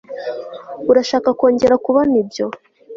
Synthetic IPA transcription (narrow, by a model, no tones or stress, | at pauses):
uɾaʃaːkako̞ːɲɟe̞ɾakuβonibjo̞